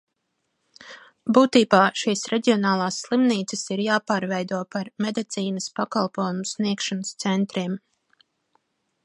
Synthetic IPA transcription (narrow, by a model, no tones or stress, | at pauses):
buːt̪iːbaːʃiːsɾeɟʲiɔnaːlˠaːsːlˠimniːt̪səsiɾjaːpaːɾvɛjd̪uɔpaɾmed̪it̪siːnəspakalˠpuːjumusniɛkʃanəst̪sɛnt̪ɾiɛm